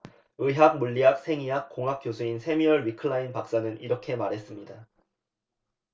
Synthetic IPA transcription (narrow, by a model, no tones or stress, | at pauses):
ɯɦak̚muʎːiɦak̚sʰe̞ŋiɦak̚k͈oŋɦak̚k͈josʰuinsʰe̞miʌɭɥikʰɯɭːainpak̚s͈anɯniɾʌkʰe̞maɾɦe̞s͈ɯmɲida